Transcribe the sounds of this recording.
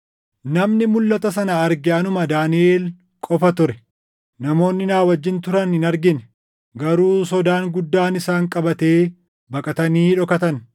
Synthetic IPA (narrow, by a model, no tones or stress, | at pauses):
nɐmnɪmʊlːɐt̪ɐsɐnɐɐɾɡɛɐnʊmɐd̪aːnɪeːl | kʼɔfɐt̪ʊɾɛ | nɐmo̞ːnːɪnaːwɐd͡ʒːɪnt̪ʊɾɐnɪnɐɾɡɪnɛ | ɡɐɾuːsɔd̪aːŋɡʊd̪ːaːnɪsaːŋkʼɐbɐt̪e̞ː | bɐkʼɐt̪ɐniːᶑɔkɐt̪ɐn